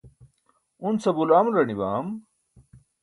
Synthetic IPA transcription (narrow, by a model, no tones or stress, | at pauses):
unt͡sɐbulaːmɾɐnibaːm